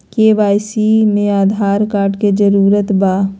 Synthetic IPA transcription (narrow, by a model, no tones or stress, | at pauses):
keʋaːjsimẽaːd̪ʱaːɾkaːɾɖked͡ʒəɾuːɾət̪baː